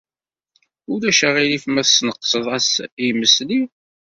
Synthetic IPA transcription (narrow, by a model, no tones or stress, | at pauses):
ʊɾæʃæʁilifmæθsnəqːsəðˤæsjmːəsli